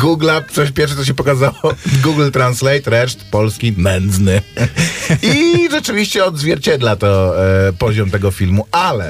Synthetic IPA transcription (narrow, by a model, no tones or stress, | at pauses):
ɡuɡlat̪sɔɕpʲjɛɾfʂ̬ɛt̪ɔɕ̬ɛpɔkazawɔɡuɡl̩t̪ɾanslɛjt̪ɾɛʂt̪pɔlskʲimɛnd̪znɘ | iʐɛt͡ʂɘvʲiɕt͡ɕɛɔd̪zvʲjɛɾt͡ɕɛd̪lat̪ɔpɔʑɔmt̪ɛɡɔfʲilmuʔalɛ